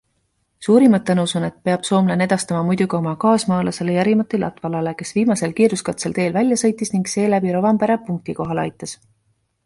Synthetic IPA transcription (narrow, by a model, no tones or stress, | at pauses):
suːɾimɑt̪ːɑnusune̞t̪̚peɑb̥so̞ːmlene̞d̪̥ɑst̪ɑmɑmujd̪̥uɡio̞mɑkɑːsmɑːlɑse̞lejæɾimɑt̪ːˑilɑ̰t̪ːˑvɑlɑle̞ke̞sviːmɑse̞lkiːɾuskɑt̪se̞lt̪e̞ːlvælʲjɑsɤ̞jt̪ːˑisniŋɡse̞ːlæbiɾovɑmpeɾɑpuŋk̚t̪iko̞ɦɑlɑ̰jt̪ːˑɑs